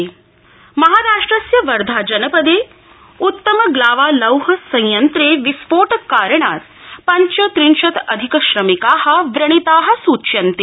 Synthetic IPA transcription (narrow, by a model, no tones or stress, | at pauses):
mɐɦaːɾaːʂʈɾəsjɐʋɐɾd̪ʱad͡ʒɐnəpəd̪eː | ut̪ːəməɡlaːʋaːlɐwɦɐsɐ̃j̃jɐnt̪ɾeːʋispoːʈəkaɾəɳaːt̪̚pɐɲt͡ɕət̪ɾinʃɐt̪ɐ̰d̪ʱikəɕɾɐmikaːɦɐʋɾɐɳ̃it̪aːɦɐ̆suːt͡ɕjɐnt̪e